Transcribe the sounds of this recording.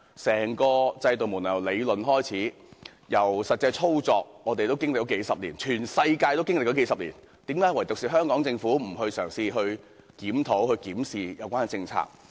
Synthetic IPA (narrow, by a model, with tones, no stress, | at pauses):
sɛː˨˩ŋkɔː˧t͡sɐ˧jt̪o˨wmuː˨˩njɐ˨˩wle˨˧jlɵ˨nɦɔː˥jt͡sʰiː˨˥ | jɐ˨˩wsɐ˨t̚t͡sɐ˧jt͡sʰo˥wt͡sɔː˨k̚ŋɔː˨˧t̪e˨jt̪o˥wkɪ˥ŋlk̚t͡ɕɔ˨˧˥ke˨˥jsɐ˨p̚liː˨˩nt͡ʃʰyː˨˩nsɐ˧jkaː˧jt̪o˥wkɪ˥ŋlɪk̚t͡ʃɔ˨˥ke˨˥jsɐ˨p̚liː˨˩n | t̪iː˨˥mkaː˨˥jwɐ˨˩jt̪ʊ˨k̚siː˨˩ɦœː˥ŋkɔː˨˥ŋt͡sɪ˧ŋfuː˨˥m̩˨˩ɦɵ˧ɥsœː˨˩ŋsiː˧ɦɵ˧ɥ | kiː˨˥mt̪ʰo˨˥whɵ˧ɥkiː˨˥msiː˨jɐ˨˧wkʷaː˥ɛ˨t͡sɪ˧ŋt͡sʰa̰ː˧k̚